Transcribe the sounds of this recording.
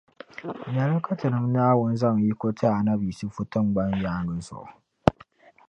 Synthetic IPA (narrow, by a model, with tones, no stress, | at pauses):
ɲa˨la˦ka˦tɨ˨nɨ˦m˦naː˦wʊ˦nza˦ŋ˨ji˦ko˦tʰa˦a˨na˦bi˨sɨ˦fu˦tɨ˦mɡ͡ba˦ɲjaː˦nʊ˨zʊ̰˨ʔ